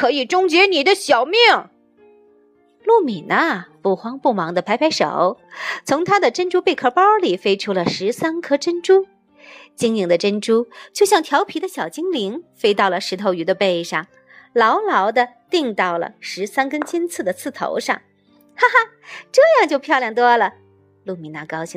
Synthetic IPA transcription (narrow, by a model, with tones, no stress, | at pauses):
kʰɤ˧˥i˨˩ʈ͡ʂʊ˥ŋt͡ɕɥɛ˧˥ni˨˩d̪ə˦ɕjɑ˨˩ʊmjɛ˥˩ŋ | lu˥˩mi˨˩nʔə˦pu˥˩xwɑ˥ŋpu˥˩mɑ˧˥ŋd̪ə˧pʰa˧˥ɪpʰa˧˥ɪʂo̰˨˩˦ʊt͡sʰʊ˧˥ŋt̪ʰa˥d̪ə˨ʈ͡ʂə˥nʈ͡ʂu˥pe˥˩ɪkʰɤ˥˩pɑ˥ʊli˨˩fe˥ɪʈ͡ʂʰu˥lə˨ʂɻ̩˧˥sa˥nkʰɤ˥ʈ͡ʂə˥nʈ͡ʂu˥ | t͡ɕi˥ŋi˧˩ŋd̪ə˩ʈ͡ʂə˥nʈ͡ʂu˥t͡ɕjo˥˧ʊɕjɑ˥˩ŋt̪ʰjɑ˧˥ʊpʰi˧˥d̪ə˧ɕjɑ˨˩ʊt͡ɕi˥ŋli˧˥ŋfe˥ɪt̪ɑ˥˩ʊlə˩ʂɻ̩˧˥t̪ʰo˧˥ʊy˧˥d̪ə˧pe˥˧ɪʂɑ˥˩ŋ | lɑ˧˥ʊlɑ˧˥ʊd̪ə˧t̪i˥˧ŋt̪ɑ˥˩ʊlə̰˩ʂɻ̩˧˥sa˥nkə˥nt͡ɕi˥nt͡sʰɹ̩˥˩d̪ə˩t͡sʰɹ̩˥˩t̪ʰo̰˧˥ʊʂɑ̰˥˩ŋ | xa˥ | ʈ͡ʂɤ˥˧jɑ˥˧ŋt͡ɕjo˥˧ʊpʰjɑ˥˧ʊljɑ˥˩ŋt̪wɔ˥lə˨ | lu˥˩mi˨˩na˥kɑ˥ʊɕi˧˩